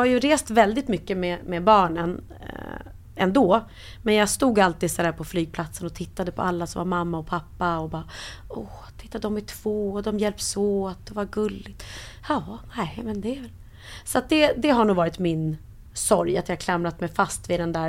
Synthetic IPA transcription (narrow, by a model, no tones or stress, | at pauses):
ajɵɾeːst̪vɛld̪ɪt̪mʏkːəmɛmɛbɑːɳən | ɛnd̪oː | mɛnjɑːɡst̪uːɡalt̪iːd̪sɔd̪æːɾpʰɔflyːɡ̚pʰlat̪sənɔt̪ʰɪt̪ːad̪əpʰɔ̰ʔalːasɔ̰mvaɾmamːaɔpʰapːaɔbɑːɔ | t̪ʰɪ̥t̪ːad̪ɔmɪʈʰv̥oːɔd̪ɔmjɛlp̚t̪soːat̪̚d̪ɛvaɾɡɵlːɪɡt̪ː | jɑːnɛmɛnd̪ɛvɛl | sɔat̪̚d̪ɛd̪ɛɦaɳuːvɑːɾɪt̪mɪn | sɔɾjat̪jɑːkʰlamɾat̪mɛjfast̪vɪd̪ɛnd̪æːɾ